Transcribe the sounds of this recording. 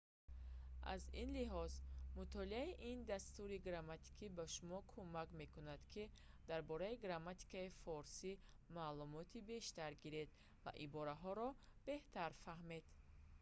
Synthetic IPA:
ʔa̰zinliɦɔzmut̪ʰɔliaiʔind̪ast̪uɾiɡɾamat̪ʰi̥kʰibaʃumɔkʰumakme̞kunad̪̥kʰi | d̪̥aɾbɔɾaiɡɾamːat̪i̥kaifɔɾsi | maːlumɔt̪ʰibe̞ʃt̪aɾɡiɾe̞d̪ | va̰ʔibɔɾaɦɔɾɔb̥e̞ht̪ʰaɾfaɦme̞d̪

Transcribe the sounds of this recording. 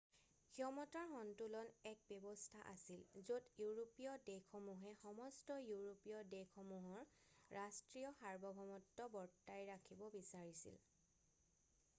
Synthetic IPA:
kʰiɔmɔtaɹxɔntulɔnɛk̚bɔbɔstʰaʔasilzotjuɹopiɔdekʰɔmuɦɛxɔmɔstɔjuɹopijɔdejkʰɔmuɦɔɹɹastɹijɔxaɹbɔɡʱɔmɔtːɔbɔɹtːajɹakʰibɔbisaɹisḭl

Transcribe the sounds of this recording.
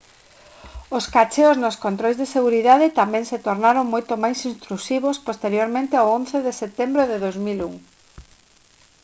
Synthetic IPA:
oskat͡ʃeoznoskont̪ɾojzðeseɣuɾiðaðɪt̪amɛ̃ŋset̪oɾnaɾoŋmojt̪omajsĩnst̪ɾusiβospost̪eɾjoɾmẽnt̪ɪawonθeðeset̪embɾoðeðowzmilṵŋ

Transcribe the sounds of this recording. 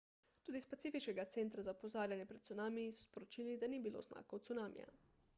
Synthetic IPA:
t̪uːd̪ispatsiːfit͡ʃkɛɡat̪sɛnt̪ɾazaupɔzaːɾjanjɛpɾɛt̪t̪sunaːmijisɔspɔɾot͡ʃiːlid̪anibilo̰ːzna̰ːkot̪sunaːmḭja̰

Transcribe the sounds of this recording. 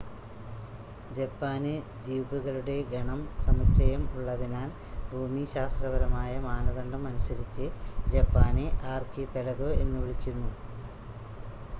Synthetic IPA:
d͡ʑepːaːne | d̪iːbuɣɐɭuɽe̞ɡɐɳɐmsɐmukt͡ɕɐjɐmuɭːɐðinaːn | bʱuːmiɕaːst̪rɐʋɐɾɐmaːjɐmaːnɐðɐɳɖɐmɐnusɐɾit͡ɕːɨd͡ʑepːaːneʔaːrkipeɻɐɣoe̞nːuʋɭikʲːunːu

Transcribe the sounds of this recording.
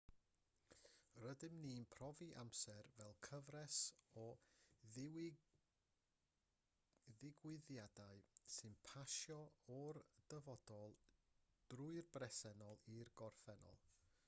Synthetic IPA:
rədɪmninpʰrɔviʔa̰msɛrvɛlˠkʰəvrɛsɔ | ðɪɡwɪðjadaɨsɨnpʰaʃjɔɔrd̥əvɔdɔlˠd̥rʊɨrbrɛsɛnɔlˠirɡɔrθɛnɔ̰lˠ

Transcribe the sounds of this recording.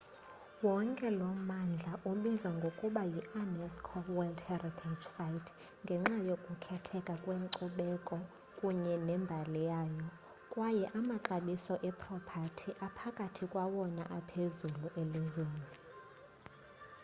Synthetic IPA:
wɔŋkʼɛlɔmand͡ɮʱaʔuɓizwaŋɡʱokʼuɓajiʔanɛskʰɔwɛldhɛritʰad͡ʒsajtʰ | ŋɡʱɛŋ͡ǁajokʼukʰɛtʰɛkʼakʼweŋǀuɓɛkʼɔ | kʼuɲɛnɛmbʱalijaːjɔ | kʼwajɛʔamaǁaɓisɔʔɛpʰʼrɔpʰatʰiʔapʰakʼatʰikʼwawɔna̰ʔapʰezuluʔelizweːni

